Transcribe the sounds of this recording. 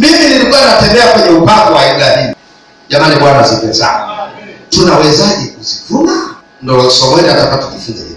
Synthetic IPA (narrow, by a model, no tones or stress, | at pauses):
miminilikanatɛmbɛakwɛɲɛupaŋɡɔwaiɡaɗi | ʄamaniɓwanaziŋɡɛza̰ɔtunawɛzaʄikuzivuma | ndɔsɔmɛɾaatakaatuʄifunzai